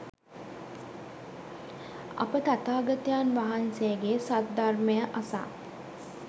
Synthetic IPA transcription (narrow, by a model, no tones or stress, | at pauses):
ɐ̰pək̪at̪aːɡat̪jaːnʋaɦansejəɡeːsat̪̚d̪arməjəʔasa̰ː